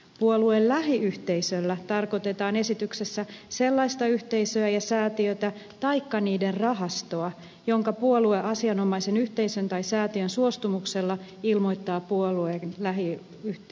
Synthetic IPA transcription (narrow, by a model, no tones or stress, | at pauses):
puoluellæɦiyht̪eisølːæt̪ɑrkot̪et̪ɑːnesit̪yksesːæse̞lːɑist̪ɑyht̪eisøæjɑsæːt̪iøt̪æt̪ɑikːɑniːderrɑɦɑst̪oɑ | jo̞ŋkɑpuolueʔɑsiɑnomɑisenyht̪eisønt̪ɑisæːt̪iønsuost̪umukselːɑilmo̞jt̪ːɑːpuoluenlæɦi | y